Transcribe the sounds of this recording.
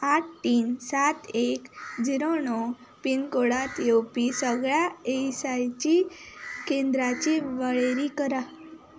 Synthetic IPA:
aʈ̚ʰʈiːnsat̪ekd͡ʑiɾoɳɔ | pinkoɽat̪jewpisəɡɭjaeisajt͡ɕikend̪ɾat͡ɕiʋəɭeɾikəɾa

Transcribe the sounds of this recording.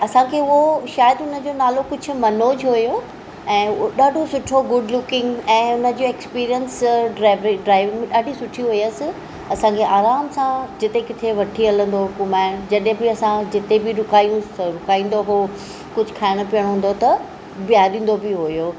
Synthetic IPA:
ɐsãkʰeʊɦoʃaːjəd̪ɦʊnə̆d͡ʑoːnaːlokʊd͡ʑʱʊ̆mɐnoːd͡ʑɦʊjo | ɛ̃ːoɗaːɖʱosʊʈʰoɡʊɖlʊkɪ̃ŋɡɛ̃ːʊnə̆d͡ʑoekspiːɾijənsɖɾaːɪʋɪɖɾaːɪʋɪ̃ŋɗaːɖʱisʊʈʰiɦʊiəsɪ̆ | ɐsãkʰeʔaːɾaːmsãd͡ʑɪt̪ekɪt̪ʰeʋɐʈʰiɦɐlə̃nd̪oɦʊkumaːɪd͡ʑɐɗɦẽbɪɐsãd͡ʑɪt̪ebɪɾʊkʰaːijũɾʊkʰaːĩːnd̪oɦo | kʊd͡ʑʱʊ̆kʰaːɪɽ̃opijəɽ̃ɦũːn̆d̪ot̪ɐ | bijaːɗĩːn̆d̪obɪɦojoː

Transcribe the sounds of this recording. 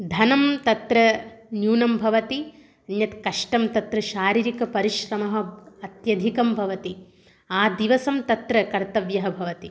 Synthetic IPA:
d̪ʱɐnɐmt̪ɐt̪ɾɐnjuːnɐmbʱɐʋɐt̪i | ɐnjɐt̪kɐʂʈɐmt̪ɐt̪ɾɐʃaːɾiːɾikɐpɐɾiʃɾɐmɐɦɐ̆ɐt̪jɐd̪ʱikɐmbʱɐʋɐt̪i | aːd̪iʋɐsɐmt̪ɐt̪ɾɐkɐɾt̪ɐʋjɐɦɐbʱɐʋɐt̪i

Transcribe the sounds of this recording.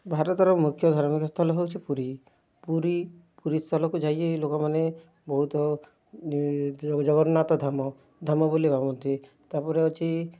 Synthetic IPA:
bʱaɾɔt̪ɔɾɔmukʰjɔd̪ʱɔɾmikɔst̪ʰɔlɔɦewt͡ʃʰipuɾi | puɾipuɾist̪ʰɔlɔkud͡ʒajt͡ʃelokɔmane | bɔɦut̪ɔ | d͡ʒɔɡɔɾnat̪ɔd̪ʱamɔ | d̪ʱamɔbolibabɔnt̪i | t̪aɾpɔɾeɔt͡ʃi

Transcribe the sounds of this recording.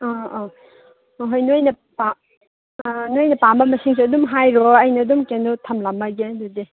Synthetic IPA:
ɔ | ɦojnojnɐ | pa | nojnɐpambɐmɐsiŋs̬iɐdumɦajɾɔɐjnɐːdumkenutʰɐmlamːɐɡedudi

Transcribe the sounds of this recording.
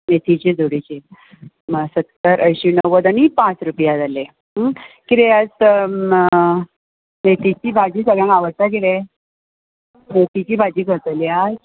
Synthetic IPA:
met̪ʰit͡ɕed͡zoɽit͡ɕe | msət̪kəɾʔəjɕinəʋəd̪anipãt͡sɾupjad͡zale | kiɾeəd͡z̪ə | met̪it͡ɕiːbʱad͡ʑiːsəɡɭjãŋɡaʋəɾt̪akele | mokit͡ɕiːbʱad͡ʑiːkəɾt̪əlja

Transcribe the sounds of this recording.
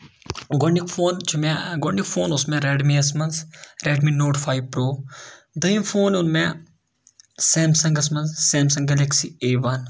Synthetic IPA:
ɡoɳɖikfʰoːnt͡ʃʰumeɡoɳɖikfʰoːnʊsmẽɾeːɖmiɐs̬mɐnsɾeːɖminoːʈfʰaːiʋpɾoː | d̪ɐjimfʰoːnʊnmẽ | sɛːmsɐ̃ŋɡɐs̬mɐnssɛːmsɐ̃ŋɡɐleksieːʋan

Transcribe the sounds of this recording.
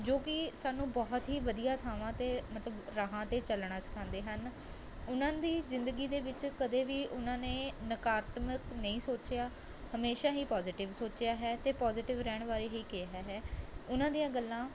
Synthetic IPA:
d͡ʒoːkɪsaːnũːbɔːt̪ɦiːʋəd̪ijaːt̪ʰaːʋãːt̪eːmət̪ləbɾaːɦãːt̪eːt͡ʃəlɽ̃aːsə̥kʰãːnd̪eːɦən | ʊnãːd̪iːzɪnd̪əɡiːd̪eːʋɪt͡ʃkəd̪eːʋiːʔʊnãːnẽːnəkaːɾt̪məknəĩːsoːt͡ʃjaː | həmeːʃaːɦiːpɔːzɪʈɪʋsoːt͡ʃɪjaːɦɛːt̪eːpɔːzɪʈɪʋɾɛːɳ̃ʋaːɾeːɦiːkɪaːɦɛːɦɛːʊnãːd̪ijãːɡəlːãː

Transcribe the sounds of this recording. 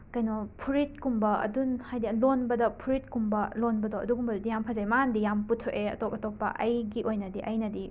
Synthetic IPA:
kɐjnopʰuɾit̚kumbɐɐ̰dunhajdilonbɐdɐpʰuɾit̚kumbɐlonbɐdoɐ̰duɡumbɐdudijampʰɐzajmɐandijamputʰoʔeɐ̰topɐtopːɐ̰ʔɐjɡiʔojnɐdiʔɐjnɐdi

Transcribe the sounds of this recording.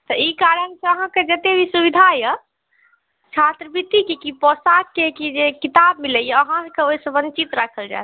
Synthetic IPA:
t̪əikaɾənseəɦãked͡ʒət̪ebʱisubid̪ʱajə | t͡ʃʰat̪ɾəbʱit̪ikikipɔsakkekid͡ʒekit̪abmiləjəɦãkeoisə̃bə̃nt͡ʃit̪ɾakʰəld͡ʒa̰e

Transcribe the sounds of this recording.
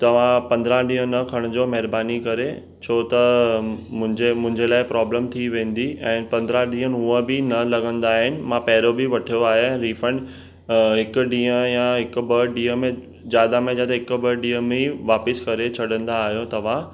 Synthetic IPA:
t̪ɐʋ̤ãpɐ̃nd̪ɾãɗĩːɦə̃nɐkʰɐɽ̃ʊd͡ʑoːmɛɦɪɾbaːnikɐɾe | t͡ɕʰoːt̪ɐ | mʊ̃d͡ʑemʊ̃ɦɪ̃ɲd͡ʑelaːɪpɾɔːbləmt̪ʰiʋẽːn̆d̪iɛ̃ːpɐ̃nd̪əɾaɗĩːɦə̃nɪ̆ɦuə̃bɪnɐlɐɡə̃nd̪aːɦɪnɪ̆mãpɛːɾobɪʋɐʈʰijoaːɦẽɾiːfə̃ɳɖ | ɦɪkʊɖĩːə̃jãɦɪkʊ̆bɐɖĩːɦəmẽ | d͡ʑjaːd̪amẽd͡ʑaːd̪aɦɪkʊbɐɖĩːɦə̃mẽʋaːpɪskɐɾet͡ɕʰɐɽə̃nd̪aːɦijõt̪ɐʋ̤ã

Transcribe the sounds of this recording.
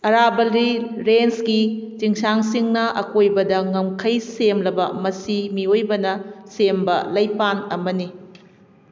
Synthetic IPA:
ɐɾabɐlɾiɾenskit͡ʃiŋsaŋsiŋnɐʔɐkojbɐdɐŋɐmkʰɐjsemlɐbɐmɐsimiojbɐnɐsembɐlɐjpanɐmɐni

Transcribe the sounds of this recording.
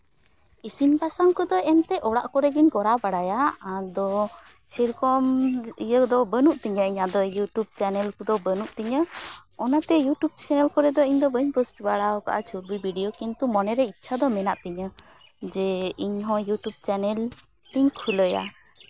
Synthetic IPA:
isimpasaŋkɔd̪ɔɛnt̪ɛʔɔɽaʔkɔɾɛɡiɲkɔɾabaɽajaad̪ɔ | siɾkɔmijəd̪ɔbənuʔt̪iɲəiɲad̪ɔjuʈjub̚t͡ʃanɛlkɔd̪ɔbənuʔt̪iɲəɔnat̪ɛjuʈjub̚t͡ʃɛnɛlkɔɾɛd̪ɔiɲd̪ɔbəɲpɔsʈibaɽaɔka̰ʔat͡ʃʰuɾbibʱiɖijɔkint̪umɔnɛɾɛit̪ːt͡ʃʰad̪ɔmɛnaʔt̪ɛɲə | d͡ʒɛiɲɦɔ̃juʈub̚t͡ʃanɛl | t̪iɲkʰuləja̰

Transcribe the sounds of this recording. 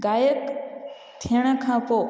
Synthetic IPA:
ɡaːjək | t̪ʰiəɽ̃kʰãːpo

